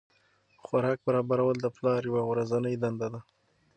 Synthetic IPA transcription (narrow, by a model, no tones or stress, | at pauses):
xwaɾɑk̚baɾɑbaɾawəld̪əplɑɾjawaɣɾazanəjd̪and̪ad̪a